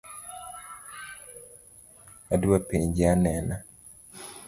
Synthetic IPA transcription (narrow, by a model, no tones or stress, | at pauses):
adwapeɲd͡ʒeanɛna